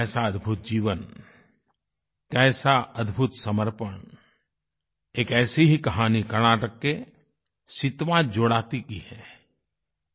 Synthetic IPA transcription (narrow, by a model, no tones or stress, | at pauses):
ɛːsaəd̪bʱʊt̪̚d͡ʒiːʋən | kɛːsaʔəd̪ʱbʱʊt̪səməɾpəɳ | eːkɛːsiɦikɐɦaːnikɐɾnaːʈəkːe | sɪt̪ʋad͡ʒoːɽaːt̪ikihɛː